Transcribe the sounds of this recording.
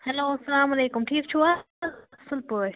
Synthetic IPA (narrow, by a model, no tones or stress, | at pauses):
hɐloːɐsɐlaːmɐleːkʊmʈʰiːkt͡ɕʰuːa | sɪlpoː